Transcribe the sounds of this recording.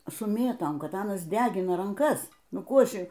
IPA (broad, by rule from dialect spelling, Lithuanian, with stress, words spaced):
sʊ ˈmʲeːtoːm ˈkɐt ˈɑːnɐs ˈdʲæːɡʲɪnɐ rɐŋˈkɐs ˈnʊ ˈkuː ˈɐʃ